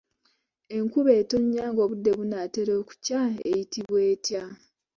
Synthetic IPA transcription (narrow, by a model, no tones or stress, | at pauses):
e̞ŋkuβe̞ːto̞ɲːaːŋɡo̞ːβudːe̞βunate̞ɾo̞ːku̥caḛjitiβwe̞ːtja